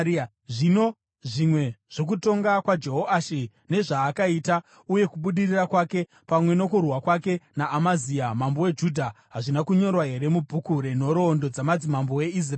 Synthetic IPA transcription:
ʐino | ʐimwe̞ʐ̥o̞k̬uto̞ŋɡakwad͡ʒe̞ɦoaʃi | ne̞ʐaːkaita | uje̞kuɓuɗirirakwake̞ | pamwe̞no̞kurwakwake̞naːmaziamambo̞wed͡ʒudʱaɦaʐinakuɲo̞rwaɦe̞ɾe̞mubʱukuɾeno̞ɾo̞ːndo̞d͡zamad͡zimambowe̞is̬r

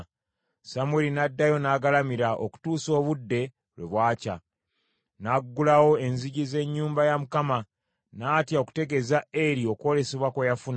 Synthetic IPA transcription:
samwelinadːajo̞naːɡalamiɾaʔo̰ku̥tuːso̞ːβudːe̞ | lwe̞̰βwaːca | naɡːulawo̞e̞nziɟize̞ɲːuːmbajamukama | natjaoku̥te̞ɡe̞zaeɾio̞kwo̞le̞seβwakwejafun

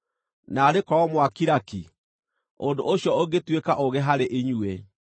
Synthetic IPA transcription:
naːɾekɔɔmwakiɾaki | ondoʔoɕjɔoɣetwekaʔoɣeɦaɾeʔiɲue

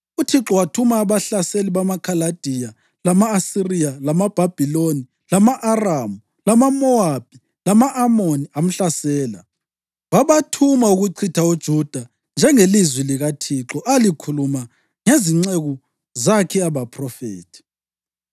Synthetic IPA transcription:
utʰiǁɔwatʰumaːβaɬaseliβamakʰalad̥ʱija | lamaːsirijalamab̥ʱab̥ʱiloni | lamaʔaramu | lamamɔab̥ʱi | lamaʔːmoniam̩ɬasɛːla̰ | βaβatʰumauɣuǀʰitʰaud̥ʒ̥ʱud̥ʱa | nd͡ʒʱɛŋelizwiliɣatʰiǁɔʔalikʰuluma | ŋeziŋ͡ǀeɣu | zakʰɛaβapʰrɔfḛːtʰi̥

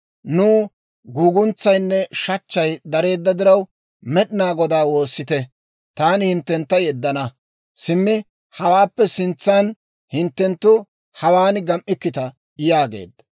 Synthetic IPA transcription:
nuː | ɡuːɡʊnt͡sːɐjnːɛʃɐt͡ʃːɐjd̪ɐɾe̞ːd̪ːɐd̪ɪɾɐw | mɛɗɪnaːɡɔd̪aːwo̞ːsːɪt̪ɛ | t̪aːnɪhɪnt̪ːɛnt̪ːɐjɛd̪ːɐnɐ | sɪmːɪ | hɐwaːpːɛsɪnt͡sːɐn | hɪnt̪ːɛnt̪ːʊ | hɐwaːnɡɐmʔɪkːɪt̪ɐ | ɪjaːɡḛːd̪ɐ

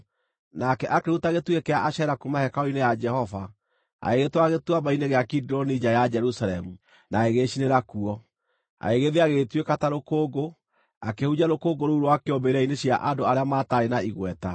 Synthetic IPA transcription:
nakɛʔakehutaɣetwekeaʔaɕɛɾakumahɛkaɔinejad͡ʒɛhɔva | a̰eɣetwaɣetwabaineɣeakidiɾɔnid͡ʑajad͡ʒɛɾusaɾɛmu | naeɣeɕineɾakuɔ | a̰eɣeðeaɣetwekataɾokoːɡo | akehud͡ʑaɾokoːɡoɾouɾwakeɔmbeɾaineɕia̰ʔandoaɾeamaːtaɾenaiɣwɛta

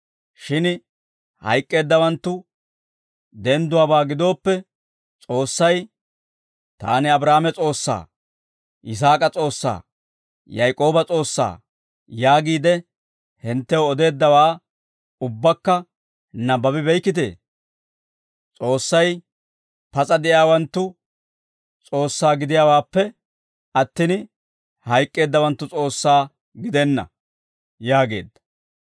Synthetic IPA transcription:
ʃɪn | hɐ̰jkʼːe̞ːd̪ːɐwɐnt̪ːʊ | d̪ɛnd̪ʊwaːbaːɡɪd̪o̞ːpːɛ | t͡sʼo̞ːsːɐj | t̪a̰ːnɪɐbɾaːmɛt͡sʼo̞ːsːa̰ː | ʔɪs̬aːkʼɐt͡sʼo̞ːsːa̰ː | jɐjkʼo̞ːbɐt͡sʼo̞ːsːa̰ː | jaːɡiːd̪ɛ | hɪnt̪ːɛwɔd̪e̞ːd̪ːɐwaː | ʊbːɐkːɐ | nɐbɐbɪbɛjkːɪt̪̬e̞̰ː | t͡sʼo̞ːsːɐj | pɐt͡sʼɐd̪ɛjaːwɐnt̪ːʊ | t͡sʼo̞ːsːaːɡɪd̪ɪjaːwaːpːɛ | ɐt̪ːɪn | hɐjkʼːe̞ːd̪ːɐwɐnt̪ːʊt͡sʼo̞ːsːaː | ɡɪd̪ɛnːɐ̰ | jaːɡe̞̰ːd̪ːɐ̥

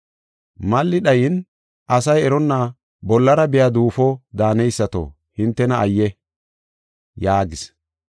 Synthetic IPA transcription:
mɐlːɪɗɐjɪn | ɐsɐjɛɾɔnːa | bɔlːɐɾɐbɪjad̪uːfɔd̪aːnɛjsːɐt̪o̰ | hɪnt̪ːɛnɐʔːjːɛ | jaːɡɪs

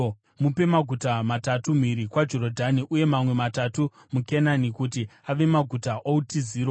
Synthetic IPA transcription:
mupe̞maɡʱutamatatumiɾikwad͡ʒo̞ɾo̞dʱaniʔuje̞mamwe̞matatu | mukenanikutiaʋe̞maɡʱutaʔoutiziːɾo

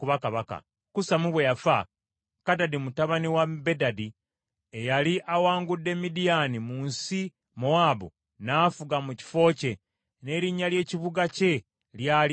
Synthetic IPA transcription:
kuβakaβaka̰ | kusamuβwejafa | kadadimutaβaniwabe̞dadi | ejaliʔawaːŋɡudːe̞midijanimuːnsi | moabo̰ | naːfuɡamuci̥fo̞ːce̞ | ne̞ɾiɲːalje̞ːciβuɡace̞ | ljaːli

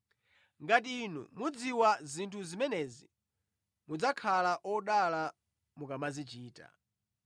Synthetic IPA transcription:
ŋɡatiːnṵmud͡ziwazintʰuzimɛnɛzi | mud͡zakʰalaʔɔɗala | mukamazit͡ʃiːta̰

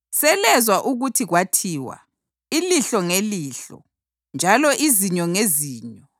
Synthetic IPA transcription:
sɛlɛzwaʔuɣutʰiɣwatʰiːwa̰ | iliɬɔŋeliːɬɔ̰ | nd͡ʒʱalɔʔiziɲɔŋeziːɲɔ

